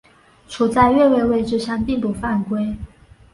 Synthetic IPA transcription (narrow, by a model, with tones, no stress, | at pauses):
ʈ͡ʂʰu˨˩t͡sa˥˧ɪɥɛ˥˧we˥˧ɪwe˥˧ɪʈ͡ʂɻ̩˥˧ʂa˥˧npi˥˩ŋpu˨˩fa˥˩nkwe˥ɪ